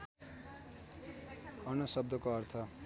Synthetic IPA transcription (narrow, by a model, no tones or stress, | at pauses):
ʌnʌsʌb̚d̪ʌkoʌrt̪ʰʌ